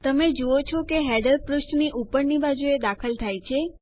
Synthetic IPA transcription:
t̪əmed͡ʒuot͡ʃʰɔkeɦɛɖəɾpɾuʃʈniʔupəɾnibad͡ʒued̪akʰəlt̪ʰajt͡ʃʰe

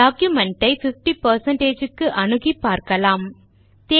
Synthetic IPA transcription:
aːkjɯmɛɳʈɐɪfɪfʈipɐɾsɐɳʈeːd͡ʒɯkːɯʔɐnɯɣipːaːɾkɐlaːm | t̪eː

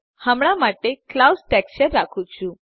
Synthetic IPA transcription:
həmɽ̃amaʈeklawsʈɛkɕəɾːakʰũt͡ɕʰũ

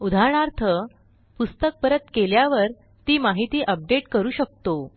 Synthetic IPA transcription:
ud̪ʱaɾɳaɾt̪ʰə | pust̪ək̚pəɾət̪keljaʋəɾ | t̪iːmaɦit̪iːʔəp̚ɖeʈkəɾuːɕək̚t̪o

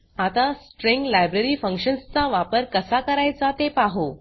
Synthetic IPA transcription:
at̪asʈɾẽŋɡlajbɾeɾiːfə̃ŋkɕənst͡saʋapəɾkəsakəɾajt͡sat̪epaɦo

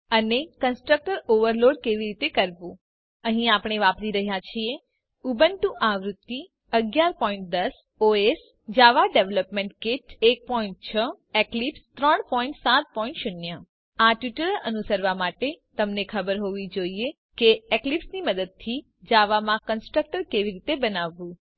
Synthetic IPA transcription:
ənekənsʈɾək̚ʈəɾoʋəɾloɽkeʋiɾit̪ekəɾʋũ | əɦĩapəɽ̃eʋapɾiɾəɦjat͡ʃʰie | ubənʈũʔaʋɾut̪ːi | əɡjaɾpɔĩɳʈ̚d̪əs | oes | d͡ʒaʋaɖeʋləpmeɳʈkeʈek̚pɔĩɳʈ̚t͡ʃʰə | eklipst̪ɾəɳpɔiɳʈsat̪̚pɔĩɳʈʃʊnjə | aʈiʈəɾənusəɾʋamaʈet̪əmnekʰəbəɾɦoʋid͡ʒoie | keeklipsniməd̪əd̪̚t̪ʰi | d͡ʒaʋamãkənsʈɾək̚ʈəɾkeʋiɾit̪ebənaʋːũ

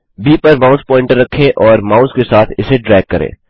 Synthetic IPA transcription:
biːpɐɾmaːʊspɔ̃ːɪ̃ɳʈəɾːɐkʰːẽʔɔːɾmaːʊzkesaːt̪ʰɪseɖɾɛːɡ̚kːɐɾḛ̃ː

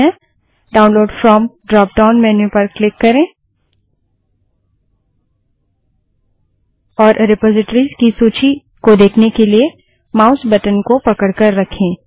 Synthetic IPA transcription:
ɛ̃ | ɖaːʊ̃nloːɖfɾɔːmɖɾɔːp̚ɖaːʊnmɛːnepɐɾklɪkːɐɾẽː | ɔːɾɾɪpɔːzɪʈəɾizkisuːt͡ʃi | kod̪eːkʰnekelie | maːʊsbɐʈənkopɐkəɽkəɾːɐkʰẽː

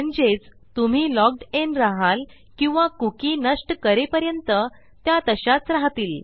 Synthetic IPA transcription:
əɳd͡zet͡s | t̪um̤iːlɔɡ̚ɖenɾaɦal | kĩw̃ʋakukiːnəʂʈkəɾepəɾjənt̪ə | t̪jat̪əɕat͡sɾaɦt̪iːl

